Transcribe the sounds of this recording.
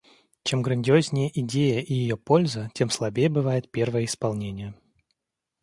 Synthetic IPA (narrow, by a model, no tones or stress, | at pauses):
t͡ɕemɡɾənʲdʲɪozʲnʲɪjəʔɪdʲejəʔijɪjopo̞lʲzətʲe̞mslˠɐbʲejəbɨvajɪt̪̚pʲe̞rvəjəɪspɐlˠnʲenʲɪjə